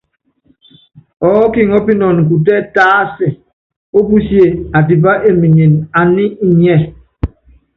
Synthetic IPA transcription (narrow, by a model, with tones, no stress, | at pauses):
ɔ˨˦ki˦ŋɔ˦pi˦nɔ˨nŋ̩˨k̬u˨t̬ɛ˦taː˦si˨ | o˦bu˦sje˨a˨ti˨ba˦ʔe˦˨mi˨ɲi˨na˨ni˦i˦˨ɲɛ˦˨